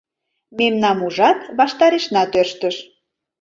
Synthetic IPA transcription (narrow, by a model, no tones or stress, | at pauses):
memnɑmuʒɑt̪βɑʃt̪ɑɾeʃnɑt̪ørʃt̪əʃ